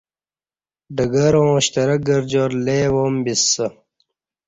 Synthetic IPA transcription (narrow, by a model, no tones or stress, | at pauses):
ɖɐɡɐɾõːɕt̪ɐɾɐk̚ɡɐɾd͡ʑoɾleːwoːmbisːɐ